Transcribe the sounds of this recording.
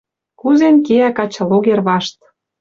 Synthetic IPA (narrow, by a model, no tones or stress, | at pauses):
kuzenkeækɑt͡ɕɤ̆loɣerβɑʃt̪